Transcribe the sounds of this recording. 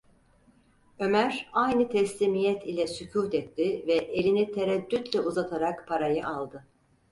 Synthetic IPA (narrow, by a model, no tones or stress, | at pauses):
ø̞mæɾajnɯt̪ʰɛslʲiːmijɛt̪ʰilʲɛsycʰuːt̪ɛt̪ʰːɪvɛʔelʲinit̪ʰeɾɛd̪ːyt̪lʲɛʔuzat̪ʰaɾakpʰaɾajɯʔalˠd̪ɯ